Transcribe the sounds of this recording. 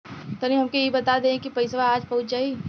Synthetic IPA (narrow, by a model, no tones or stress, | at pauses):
t̪ɐnĩɦɐmkejebɐt̪ad̪ẽkipɐɪsʋaaːd͡ʒpɐɦʊt͡ʃd͡ʒaːi